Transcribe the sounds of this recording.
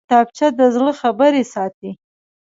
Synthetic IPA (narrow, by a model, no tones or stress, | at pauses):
t̪ɑp̚t͡ʃad̪əzləxabəɾesɑt̪i